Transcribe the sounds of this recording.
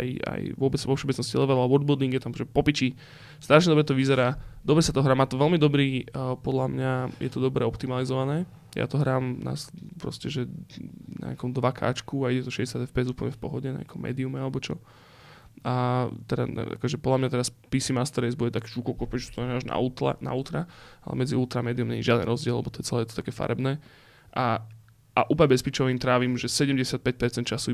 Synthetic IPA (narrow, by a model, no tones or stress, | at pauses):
aja̰jʋʊɔbɛt͡sʋɔfʃɔbɛt͡snɔscilɛʋɛɾaʋɔɾd̪bɔd̪iŋɡjɛt̪amʒɛpɔpici | st̪ɾaʃ̬ɲɛd̪ɔbɾɛt̪ɔʋizɛɾaːd̪ɔbɾɛsat̪ɔɦɾaːmaːt̪ɔʋɛlmid̪ɔbɾiːpɔd̪lamɲajɛ̰t̪ɔd̪ɔbɾɛɔpt̪imalizɔʋanɛː | ja̰t̪ɔɦɾaːmna̰spɾɔ̰scɛʒɛna̰ɲ̰akɔmd̪ʋakʰa̰ːt͡ʃkuaiɟɛt̪ɔʃɛɟɛsjad̪ɛfpɛzuːpl̩ɲɛfpɔɦɔɟɛna̰ɲa̰kʰɔmɛ̰ːd̪iumɛalɛbɔt͡ʃɔ | ʔat̪ɛda̰a̰kɔʒɛpɔd̪lamɲat̪ɛɾaspiːsimast̪ɾɛzbudɛt̪akɛʒukɔkɔpɛʒu̥st̪ɔmɛɲɛaʒna̰uːt̪la̰na̰ult̪ɾaalɛ̰mɛd͡ziulˠt̪ɾamɛːd̪iumɲɛ̰ɲiʒɪad̪ɛnɾɔzɟɪɛlɛ̰bɔt̪ɔjɛt͡sɛlɛːɛt̪ɔt̪akɛːfa̰ɾɛbnɛː | ʔa | aʔuːplɲɛbɛspit͡ʃɔʋiːmt̪ɾaːʋiːmʒɛsɛɟɛmɟɛsɪat̪̚pɛc̚pɛɾt͡sɛnt̪t͡ʃasu